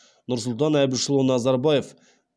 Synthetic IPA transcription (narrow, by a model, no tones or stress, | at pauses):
nʊɾsʊlˠt̪ɑnæbɪʃlˠonɑzɑɾbɑjef